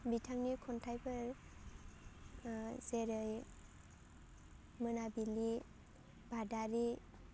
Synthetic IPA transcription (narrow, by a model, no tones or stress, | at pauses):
bitʰaŋnikʰɔntʰajpʰɯɾ | zeɾɯj | mɯnabili | badaɾi